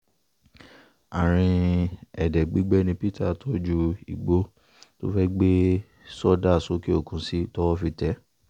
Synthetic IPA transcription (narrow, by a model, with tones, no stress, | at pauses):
a˨ɾ̃ĩ˧ɛ˨dɛ˨ɡ͡bi˦ɡ͡bɛ˦nĩ˧pi˦ta˦˨tʰɔ˦d͡ʒu˧i˨ɡ͡bo˦ | to˦fɛ˦ɡ͡be˦ | sɔ˦da˦˨so˦ke˦o˦˨kũ˧˦si˦tɔ˦wɔ˦fi˧tɛ˦